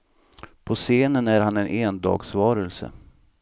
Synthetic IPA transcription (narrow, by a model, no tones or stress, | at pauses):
pʰɔseːnənæɾhanɛnʔeːnd̪ɑ̰ːɡsvɑːɾəlsə̰